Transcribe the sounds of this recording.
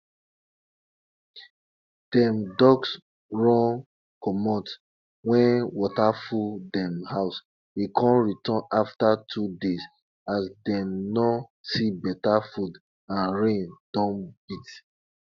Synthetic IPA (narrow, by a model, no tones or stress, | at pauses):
d̥ɛ̃mdɔɡs | ɹɔ̃n | kɔmɔt | wɛ̃nwɔtafuldɛmhaʊs | ekʰɔ̃nɹitɔ̃naftatʰudez | asdɛmnɔsibɛtafud | ãnɹẽnd̥ɔ̃bit